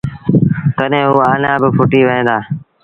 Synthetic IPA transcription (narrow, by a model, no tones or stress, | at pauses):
k̪əɗɦẽːɦuːaːnãːbɪpʰʊʈiːʋəɦẽːd̪aː